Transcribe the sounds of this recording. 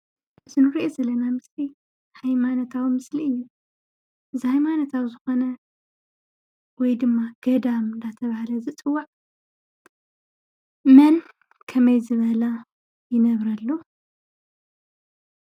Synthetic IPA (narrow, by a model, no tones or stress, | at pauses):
ɨzɨnɨɾiʔozɐlːɐnamɨsli | hajmanɐt̪ʰawimɨsliɨjːu | zajmanɐt̪ʰawzɨxo̞nɐ | wɔjd̪ɨmːaɡ̥ɐd̪amɨnd̪at̪ʰɐβahalɐzɨt͡sʼɨwːaʕ | mɐn | kʰɐmɐjzɨβɐla | jɪnɐβɾɐlːo